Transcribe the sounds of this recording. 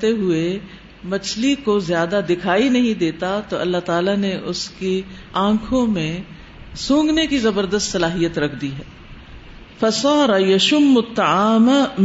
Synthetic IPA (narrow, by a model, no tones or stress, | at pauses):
t̪eɦʊe | mɐt͡ʃʰlikozjaːd̪ad̪ɪkʰaːinɐɦĩd̪eːt̪at̪oɐlːat̪aːlaneʔʊske | ãːkʰõmẽ | sũːŋɡnekizɐbəɾd̪əst̪sɐlaːɦijət̪ɾɐkʰd̪iɦɛː | fɐsɑːɾɐjɐʃʊmːʊt̪ːɐaːm